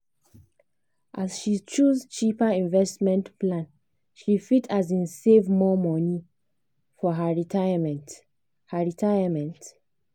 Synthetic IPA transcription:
ʔasʃit͡ʃuzt͡ʃipaĩnvɛstmɛ̃ntplãn | ʃifitʰazĩnsevmɔmɔni | fɔɦaɹitamɛt | haɹitʰajamɛ̃nt

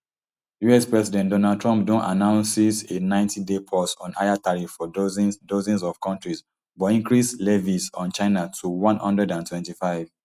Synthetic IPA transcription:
juɛspɹɛsidɛ̃ntdɔnald̚tɹɔ̃mp̚dõnta̰nãʊ̃nsisenãɪ̃ntʰidepʰɔsɔ̃nʔa̰jataɹifːɔdzdozɛ̃nsɔv̥kʰɔ̃ntɹis | bɔĩŋkɹislɛvisɔ̃nt͡ʃãɪnatʰuwɔ̃nhɔ̃ndɹɛdãntwɛ̃ntifaɪv̥

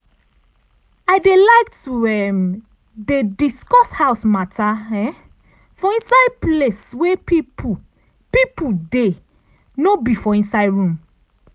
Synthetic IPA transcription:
ajdelaɪktuɛm | dediskɔshaʊsmataɛ | fɔ̃ĩnsapleswepip | pipude | nobifɔĩnsaɪdɹũm

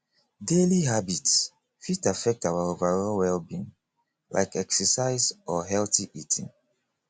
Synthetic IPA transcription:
deliɦabits | fitafɛk̚tawaovaɹɔwɛlbĩn | la̰ɪkɛksəsaɪzɔɦɛltiʔitʰḭ̃ŋ

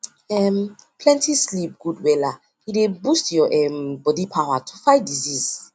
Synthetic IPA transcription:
ɛmpʰlɛ̃ntʰislip̚ɡ̥udwɛla | idebustjɔʔɛmbɔdipʰawatʰufajdiziz

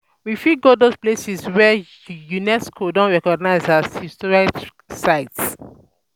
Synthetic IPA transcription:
wifiɡodosplesiswɛ | junɛskʰodɔ̃nɹɛkɔɡ̚naɪzashistɔɹik | saɪts

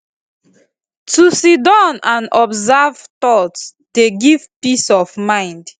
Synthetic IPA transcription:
tusidɔ̃nãnɔbzavt̪ɔt | d̥eɡivpisɔvmãɪ̃nd

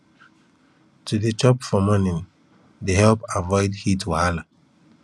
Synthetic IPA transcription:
tʰudet͡ʃɔpfɔmɔnĩn | deɦɛlpavɔɪdhitwahala

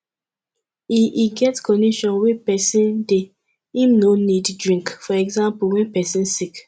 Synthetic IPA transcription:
iʔiɡɛtkɔniʃɔ̃nwepɛsĩnde | ĩmnoniddɹĩŋkfɔɛɡzãmpulwɛ̃npɛsĩnsik

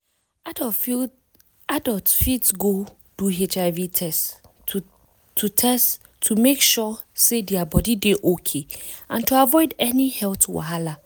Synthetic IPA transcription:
adɔltfitsɡo | d̥uet͡ʃaɪvitʰɛs | tʰutʰɛst | tʰumekʃɔsediabɔdideʔokʰeãntuavɔɪdɛnihɛltwa̰ɦala

